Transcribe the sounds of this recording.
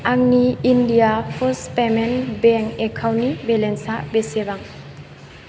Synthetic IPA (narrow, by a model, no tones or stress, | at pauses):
aŋniindijapʰɔspemenbeŋekʰawnibelensabesebaŋ